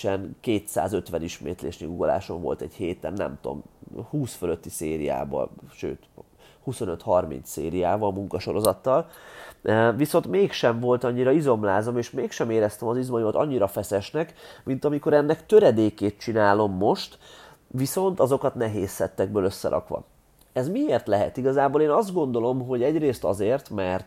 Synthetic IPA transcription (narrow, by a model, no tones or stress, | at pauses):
t͡ʃɛnkeːt̪sa̰ːzøt̪ʋɛniʃmḛːt̪lḛːʃniɡuɡola̰ːʃo̞ɱvo̞̰lt̪ɛɟheːt̪ɛ̰nːɛ̰mt̪o̞̰mhuːsføløt̪ːiseːɾḭja̰ːbɒ̰ʃø̰ːt̪ | huso̞nøt̪hɒrmḭnssḛːɾijaːvɒlmuŋkɒʃo̞ɾo̞zɒt̪ːɒl | viso̞nt̪meːkʃɛɱvo̞lt̪ɒɲːiɾɒizo̞mlaːzomeːʃmeːkʃɛmeːɾɛst̪ɛmɒzizmɒjumɒt̪ɒɲːiɾɒfɛsɛʃnɛkmint̪ɒmiko̞ɾɛnːɛkt̪øɾɛd̪eːkeːt̪̚t͡ʃinaːlo̞mːo̞ʃt̪ | ʋiso̞nt̪ɒzo̞kɒt̪nɛɦeːsːɛt̪ːɛɡ̚bøːløsːɛ̰ɾʔɒ̰kʋɒ̰ | ɛzmieːrt̪lɛɦɛ̰t̪iɡɒzaːboːleːnɒzd̪̚ɡo̞n̪d̪o̞lo̞mɦo̞ɟɛɟreːst̪ɒzeːrt̪mɛrt̪